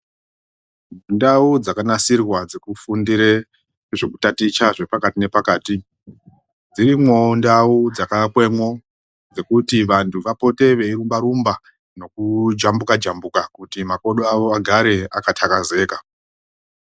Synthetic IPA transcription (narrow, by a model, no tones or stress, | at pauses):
ndaud͡zakanasirwad͡ze̞kufundiɾe | ʐe̞kutatit͡ʃaʐe̞pakatine̞pakaːti | d͡ziɾimwo̞ndaud͡zakakwe̞mwo̞ | d͡ze̞kutiʋantʰuʋapo̞te̞ʋe̞iɾumbaɾumba | no̞kud͡ʒambukad͡ʒambukakutimako̞ɗoaʋo̞aɡʱaɾe̞a̰katʰakaze̞ːka